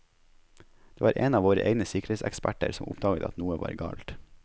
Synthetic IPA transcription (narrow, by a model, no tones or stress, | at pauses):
d̪̥eːʋɑːɾʔeːnɑːʋoːɾəʔeːɡnəsʏkəɾeːt̪sɛ̰kspæʈə̰ɾsɔmʊ̰pd̪ɑːɡət̪ɑ̰t̪nuːəʋɑ̰ːɾɡɑ̰ːlt̪